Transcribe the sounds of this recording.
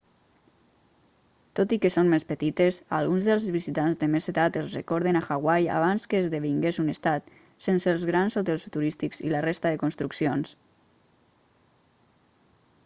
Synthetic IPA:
t̪ot̪ikəsonmespət̪it̪esa̰lˠɣunzðəlˠzβizit̪anzðəmeset̪at̪əlˠzrekɔɾð̞enaxaɣwaja̰β̞anskəːzðəβiŋɡezunest̪at̪ | senselˠzɣɾansot̪̬ɛlˠsut̪uɾist̪ikzḭlarest̪aðəkunst̪ɾuksions

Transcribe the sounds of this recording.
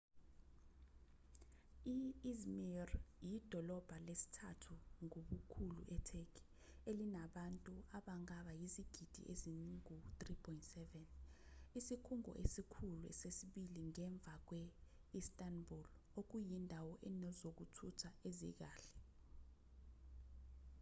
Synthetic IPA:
iizmirjid̥ʱɔlɔb̥ʱalesi̥tʰatʰuŋoɓukʰulṵʔɛtʰekʰi̥ | elinaɓantʼuaɓaŋaɓajiziɡ̥ʱid̥ʱḭʔeziniŋut̪ripʰɔintsɛvɛnisikʰuŋɔ̰ʔesikʰuluɛ̰sesiɓiliŋɛɱb̪vʱak̬wɛ | istʼanbʱul | ok̬ujindʱawɔʔɛnɛzok̬utʰutʰaezḭk̬aːɬɛ̥

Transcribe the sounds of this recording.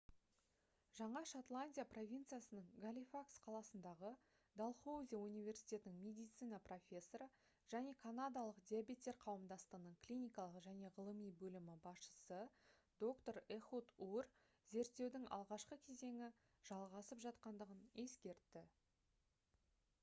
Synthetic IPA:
ʒɑɴɑʃot̪lˠanʲdʲijapro̞vʲint̪sɨijasənəɴɡalʲifaksqʰɑlˠɑsənd̪ɑʁə | d̪alˠχowzʲijaunivʲe̞ɾsʲi̥jt̪ʲe̞t̪ɪnɪŋmʲe̞d̪ijt̪sɨjnɑpro̞fʲe̞sːo̞ɾə | ʒ̥æne̞kʰanad̪ɑlˠəqd̪ʲiabʲe̞t̪ʲːe̞ɾqʰɑwəmd̪ɑst̪ənəɴklʲijnʲijkɑlˠəqʒæne̞ʁəlˠəmijbɵlɪmɪbɑsʃə̥səd̪o̞kt̪o̞ɾeχut̪ur | ze̞ɾt̪ːe̞wd̪ɪŋɑ̰lˠʁɑʃqəkʲʰe̞ze̞ŋɪ | ʒ̥ɑlˠʁɑsəpʒɑt̪qɑnd̪əʁəne̞skʲe̞ɾt̪ːɪ

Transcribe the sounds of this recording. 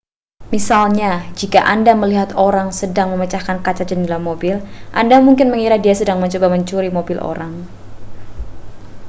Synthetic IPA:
misalɲad͡ʒikaʔandaməliɦat̪oɾaŋsədaŋməmət͡ʃahkankat͡ʃad͡ʒənlamobɪlʔandamuŋkɪnməŋiɾahdiasədaŋməɲt͡ʃobaməɲt͡ʃuɾimobɪlʔo̰ɾaŋ

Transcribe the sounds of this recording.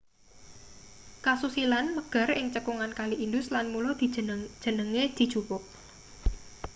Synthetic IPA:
kasusilanməɡ̥a̤rɪŋt͡ʃəkuŋankaliʔindʊslanmulɔd̪̥i̥ʒ̥ə̤nəŋed̪̥i̤̥ʒ̥ṳpɔʔ

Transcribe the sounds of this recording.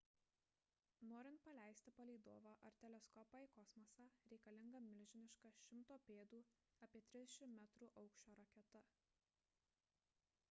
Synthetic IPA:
noːɾʲɪnt̪̚pɐlʲæˑɪsʲt̪ʲɪpɐlʲɛɪd̪oːʋɑːʔɐɾt̪ʲɛlʲɛskɔpɐɪkɔsmɔsɑːɾʲɛɪkɐlʲɪŋɡɐmʲɪlʲʒʲɪnʲɪʃkɑʃʲɪmt̪oːpʲeːd̪uːɐpʲiɛt̪ʲɾʲɪzd̪ʲɛʃʲɪmːʲæt̪ɾuːʔɒʊkʃʲt͡ʃʲoːɾɐkʲɛt̪ɐ

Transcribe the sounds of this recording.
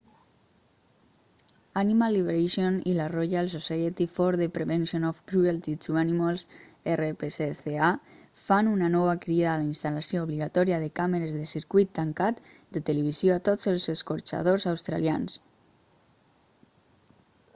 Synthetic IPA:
animalːiβeɾeʃjonḭlaroʎaelˠsosajet̪ifɔɾðepɾeβensionofkɾuelt̪it̪uanimalˠserepeseθeafanunanɔβakɾiðaːlainst̪alasjooβliɣat̪ɔɾiaðekameɾezðesiɾkwit̪ːaŋkat̪ | d̪et̪eleβ̞izjoat̪ozelˠzeskoɾt͡ʃa̰ð̞ozawst̪ɾa̰lia̰ns

